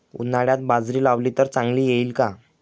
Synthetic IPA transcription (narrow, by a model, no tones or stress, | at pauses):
ṵnaɽjat̪̚bad͡zɾiːlaʋlit̪əɾt͡sãŋɡliːjeiːlka